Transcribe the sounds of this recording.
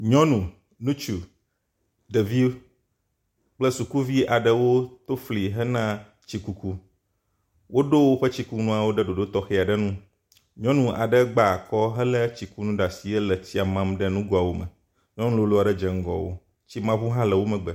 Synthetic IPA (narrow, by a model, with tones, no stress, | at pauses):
ɲɔ̃˦nũ˨ | nũ˦t͡ʃu˨ | ɖə˨vi˦ | k͡plə˦su˨ku˦vi˦a˨ɖə˦wo˦t̪o˦fli˨ɦə˦nã˦ | t͡ɕi˨ku˦ku˦ | wʔo˦ɖo˦wo˦ɸə˦t͡ɕi˦ku˦nũ˦a˨wo˦ɖə˦ɖo˨ɖo˦t̪ɔ˦xɛ˦˨a˨ɖə˦nũ˦ | ɲɔ̃˦nũ˦ʔa̰˨ɖə˦ɡ͡ba˨kɔ˦ɦɛ˦lə˦t͡ɕi˨ku˦nũ˦ɖa˨si˨e˦lə˨t͡ɕi˦a˨mã˦mɖə˦nũ˦ɡo˦a˨wo˦mɛ̰̃˨ | ɲɔ̃˦nũ˦lo˦lo˦a˨ɖɛ˦d͡ʒɛ˨ŋ̩˦ɡɔ̰˨wo̰˦ | t͡ɕi˦mã˦vu˦ɦã˦lɛ˨wo˦mɛ̃˨ɡ͡bɛ˨